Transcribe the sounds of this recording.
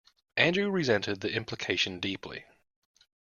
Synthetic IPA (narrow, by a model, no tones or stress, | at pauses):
ʔæ̃ndɹʉɹɪzɛ̃ntɪd̪̚ðiʔɪ̃mplɪkʰeɪʃə̃ndiˑpʰlḭ